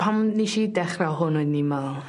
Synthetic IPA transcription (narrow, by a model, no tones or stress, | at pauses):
pʰamniʃidɛχrawɦʊnʊɨdnimal